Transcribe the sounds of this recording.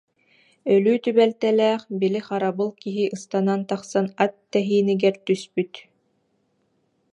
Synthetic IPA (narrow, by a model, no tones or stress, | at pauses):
œlyːt̪ybɛlt̪ɛlɛːχbiliχaɾabɯlˠkiɦiʔɯst̪anant̪aχsanat̪ːɛɦiːniɡɛɾt̪yspyt̪